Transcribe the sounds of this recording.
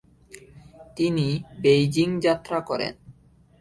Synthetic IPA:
t̪inibejd͡ʑiŋd͡ʑat̪ːɾakɔɾḛn

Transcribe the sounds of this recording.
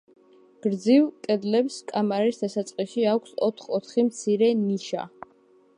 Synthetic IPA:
ɡ̥ɾd̪zivkʼɛd̪lɛpskʼamaɾisd̪asat̪sʼqʼiʃiakʷʰsɔt̪ʰχɔt̪ʰχimt̪sʰiɾɛniʃa̰

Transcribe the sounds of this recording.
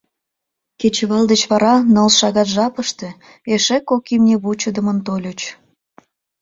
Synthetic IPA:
ket͡ɕeβɑld̪et͡ɕβɑɾɑnəlʃɑɣɑt̪ʒɑpəʃt̪e | eʃekːokimnʲeβut͡ɕəd̪əmənt̪olʲot͡ɕ

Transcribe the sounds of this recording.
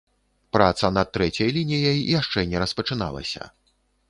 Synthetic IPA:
pɾat̪sɐnɐt̪ːɾɛt͡sʲɐjlʲinʲijɐjjaʂt͡ʂɛnʲɛɾɐspɐt͡ʂɨna̰lˠɐ̰sʲɐ̰

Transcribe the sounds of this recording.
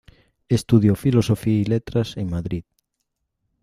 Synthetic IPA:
est̪uðjofilosofiailet̪ɾaseŋmaðɾið

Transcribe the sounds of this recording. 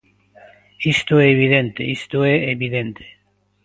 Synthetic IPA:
ist̪oeːβ̞ið̞ent̪eist̪oeeβiðent̪ʰe̥

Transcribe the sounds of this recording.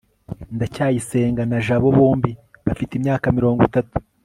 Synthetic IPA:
ndacaːjise̞ːŋɡanaʒaβo̞βuːmbiβafitimɲaːkamiɾo̞ːŋɡitatu̥

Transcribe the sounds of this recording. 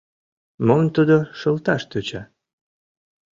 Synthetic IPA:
momnt̪ud̪oʃɤlt̪ɑʃt̪øt͡ɕɑ

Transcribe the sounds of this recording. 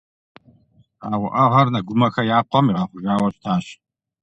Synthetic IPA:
aːwʊʔɐʁɐrnaɡʷʊmɐxɐjaːqʰʷɔmiʁɑχʷʊʒaːwɐɕtʰaːɕ

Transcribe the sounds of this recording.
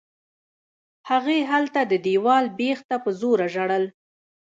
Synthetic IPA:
haɣeɦalt̪ad̪əd̪ewɑlbext̪apəzoɾaʒaɽəl

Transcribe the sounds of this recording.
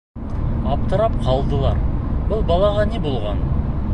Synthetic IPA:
ɑp̚t̪əɾɑp̚qʰɑlˠd̪əlˠɑ̰ɾbʊlˠbɑlˠɑʁɑnebolˠʁɑn

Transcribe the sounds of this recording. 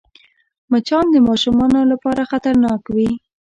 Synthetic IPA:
mat͡ʃɑnd̪əmɑʃumɑnolapɑɾaxat̪aɾnɑkwi

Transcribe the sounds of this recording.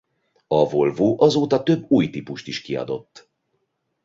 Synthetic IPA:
ɒvolvoːʔɒzoːt̪ɒt̪ø̞bːuːjt̪ipuʃt̪iʃkiɒ̰d̪o̞̰t̪ː

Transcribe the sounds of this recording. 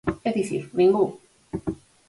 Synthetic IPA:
ɛt̪isḭmĩŋɡu

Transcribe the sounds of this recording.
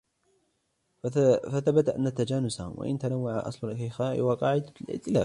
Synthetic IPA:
faθabat̪aʔa̰nːat̪ad͡ʒaːnʊsahʊ̰mwʔa̰ʔɪ̰nt̪anawːaʕaʔɑ̰sˤlʊlkajxaʔɪ̰waqɑːʕɪd̪alʔɪ̰ʔt̪ːɪla̰ːf

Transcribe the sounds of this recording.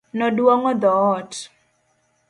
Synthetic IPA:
nɔdwɔŋɔd̪ɔːt

